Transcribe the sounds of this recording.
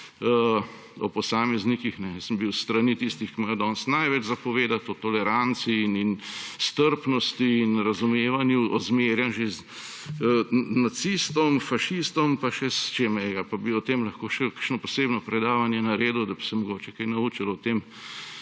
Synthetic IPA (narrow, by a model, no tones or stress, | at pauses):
ə | ɔpɔsaːmɛznikixnɛjəsəmbiwst̪ɾanit̪ist̪ixkimajod̪ɔːnst̪najʋɛt͡ʃzapɔʋeːd̪at̪ɔt̪ɔlɛɾant̪siːninst̪əɾpnɔst̪iːnɾɐzumeːʋanjuɔzmeːɾjanʒez | nat̪siːst̪ɔmfaʃist̪ɔmpaʃɛst͡ʃeːmɛjɛɡapabiɔt̪eːmlɐxkoːʃɛkəɾʃnɔpɔseːbnɔpɾɛd̪aːʋanjɛnaɾeːd̪ud̪ɐbi̥sɛmɔɡoːt͡ʃɛkajnauːt͡ʃalɔt̪eːm